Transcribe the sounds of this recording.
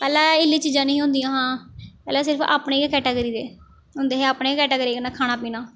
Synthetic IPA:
pɛːlãːɪlːiːt͡ʃiːd͡ʒãːnĩːɦʊ̃nd̪ijãːɦãːpɛːlɛ̃ːs̬ɪɾpʰa̰ːpɳeːkɛːʈeːɡəɾiːd̪eː | ɦʊ̃nd̪eːɦɛːaːpneːkɛːʈeːɡəɾiːkənaːkʰaːnaːpiːnaː

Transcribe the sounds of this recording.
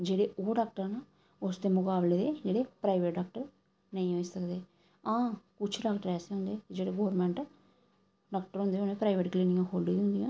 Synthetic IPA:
d͡ʒeːɽeːʔoːɖaːk̚ʈəɾnaː | ʊsd̪eːmʊkaːbleːd̪eːd͡ʒeːɽeːpɾaːʋeːʈɖaːk̚ʈəɾ | nəĩːɦoːisəkd̪eː | ãːkʊt͡ʃʰɖaːɡʈəɾɛːseɦʊ̃nd̪eːkɪd͡ʒeːɽeːɡoːɾmɛ̃ːɳʈ | ɖaːkʈəɾɦõnd̪eːonẽːpɾaːiʋeːʈkliːnɪjãːkʰoːlɖiːɦʊ̃nd̪ijãː

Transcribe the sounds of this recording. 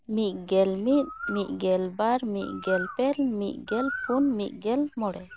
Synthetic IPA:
miʔɡɛlmit̪̚miʔɡɛlbaɾmḭʔɡɛlpɛlmḭʔɡɛlpʰunmiʔɡɛlmɔɽɛ

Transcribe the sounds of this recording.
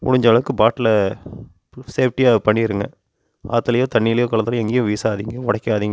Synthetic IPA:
mʊ̰ɽʊɲd͡ʒɐʋɐɭɐʋɯkːɯbaːʈːlɐ | seːfʈiaːpɐɳːɪɪɾɯŋɡɐ̰ | a̰ːt̪ːɯlɐjoːt̪ɐɳːiːlɐjoːkɐɭɐnt̪ɪlɐɛŋɡejʊ̃ʋiːsaːðiːŋɡɐʋɐɽɐkʲːaːðiːŋɡɐ

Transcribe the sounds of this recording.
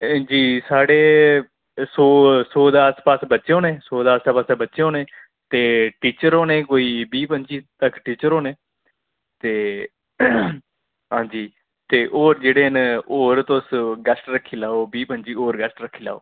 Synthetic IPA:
d͡ʒiːsaːɽeː | soːsoːd̪aːspaːsbətːʃeɦõːnẽːsoːd̪aːsaːpəsabətːʃeɦõːnẽː | t̪eːʈiːt͡ʃəɾoːneːkoːiːbiːpəɲt͡ʃiːt̪əkʈiːt͡ʃəɾɦoːneː | t̪eː | ɦãːd͡ʒiː | t̪eːʔoːɾd͡ʒeːɽeːənoːɾt̪osɡəsʈɾəkʰːiːlaːoːbiːpənt͡ʃiːoːɾɡəsʈɾəkʰːiːla̰ːo̰ː

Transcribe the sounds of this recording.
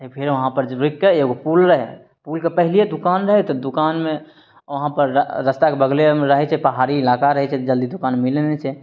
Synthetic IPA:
epʰeɾʋəɦãpəɾɾoikːeeɡopulɾəɦɛ | pulkepəɦilied̪ukanɾəɦɛt̪ɔd̪ukanme | ʋəɦãpəɾːəst̪akebəɡlemɾəɦɛt͡ʃʰɛpəɦaɾiːlakaɾəɦɛt͡ʃʰɛt̪ɔd͡ʒəld̪id̪ukanmilnɛt͡ʃʰɛ

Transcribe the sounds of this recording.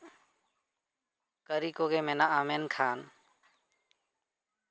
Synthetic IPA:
kəɾiːkoːɡeːmẽːnaːaːmeːnkʰaːn

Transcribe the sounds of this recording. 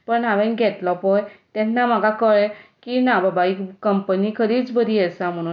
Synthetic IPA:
pənaʋɛ̃nɡʱɛtlɔpɔjt̪ɛtʰnamakakɔɭɛ̃kinababaikəmpənikʰəɾit͡sbʱəd̪iɛsam̤aɽ̃u

